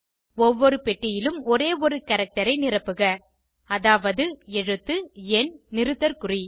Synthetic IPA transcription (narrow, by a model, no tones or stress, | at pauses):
ɔʋːɔɾɯpɛʈːɪjɪlɯmɔɾeːɔɾɯkɐɾɐk̚ʈɐɾɐɪnɪrɐpːɯɣɐ | ɐðaːʋɐðɯɛɻɯt̪ːɯɛnnɪɾɯt̪ːɐɾkʊri